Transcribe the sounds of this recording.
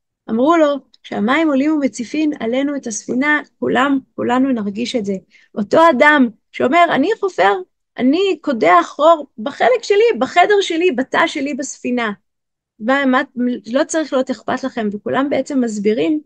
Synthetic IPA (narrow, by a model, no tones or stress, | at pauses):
ʔamʁulo̞ | ʃeamaimo̞limumet͡sifima̰lenuetasfinakulamkulanunaʁɡiʃetze̞ | ʔo̞to̞adam | ʃeo̞me̞ʁa̰niχofe̞ʁ | ʔa̰niko̞deaχʁo̞ʁbaχelekʃelibaχe̞de̞ʁʃe̞libata̰ʃelibasfina | mamalo̞t͡saʁiχlijoteχpatlaχe̞mvekulʔambe̞et͡se̞mːazbiʁim